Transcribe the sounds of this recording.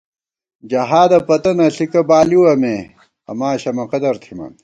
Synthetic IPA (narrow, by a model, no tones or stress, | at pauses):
d͡ʑɐɦaːd̪ɐpɐt̪ɐnɐɬikɐbaːliwɐme | ɐ̰maːɕɐmɐqɐd̪ɐɾt̪ʰimɐ̰n